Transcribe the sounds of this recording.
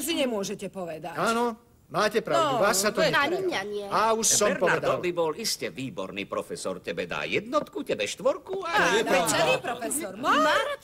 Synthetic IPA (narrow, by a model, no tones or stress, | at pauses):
s̬iɲɛmʊɔʒɛcɛpɔʋɛd̪aaːnɔ | maːcɛpɾad̪uasːat̪ɔɛaiɲaɲɪɛauʃsɔmpɔɛd̪ɔlbibɔliscɛʋiːbɔ̰ɾnḭːpɾɔfɛsɔ̰ɾcɛbɛd̪a̰ːjɛd̪nɔt̪kucɛbɛʃt̪ʋɔɾkuaɔɛɾaipɾɔfɛsɔɾm